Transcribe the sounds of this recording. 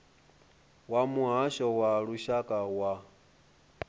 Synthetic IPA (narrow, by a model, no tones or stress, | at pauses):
wamuɦaʃɔwaɺuʃakʼawa